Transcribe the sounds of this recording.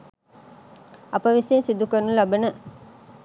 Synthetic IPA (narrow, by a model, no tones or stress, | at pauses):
ɐpɐʋisensid̪ukənːulabənə